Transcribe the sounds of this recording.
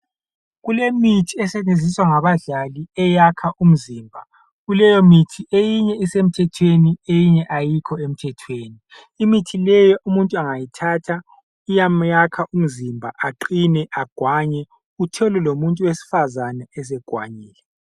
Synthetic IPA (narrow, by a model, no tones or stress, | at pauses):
ɣulemitʰiɛsɛnend͡zʱiswaŋaβaɮaliɛjakʰaʔum̩ziːmbʱa | ɣulɛjɔmitʰiejiɲɛisem̩tʰɛtʰweniejiɲɛʔajikʰɔem̩tʰɛtʰweːniː | mitʰilɛjɔʔumuntʼuaŋajitʰaːtʰa | ijamjakʰaʔum̩zimbʱaʔaǃinɛʔaɡ̥ʱwaɲɛ | utʰɛlɛlomuntʼuwesi̥fazanaɛs̬ɛɡ̥ʱwa̰ɲiːlɛ